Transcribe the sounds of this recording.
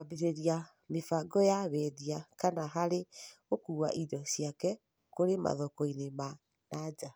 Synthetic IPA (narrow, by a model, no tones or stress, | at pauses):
abeɾeɾia | mefaɡɔjaβɛðiakanaɦaɾeɣokuwa̰ʔidɔsiakɛ | koɾema̰ðɔkɔinema | nad͡ʒa